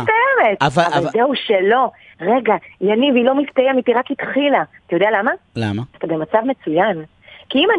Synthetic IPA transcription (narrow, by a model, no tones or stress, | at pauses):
ajemetavalzeuʃe̞lo̞ | ʁe̞ɡajanivilo̞mift̪ajemitiʁakitχilaat̪ajodealamalamaat̪abe̞mat͡savme̞t͡sujan | kiiman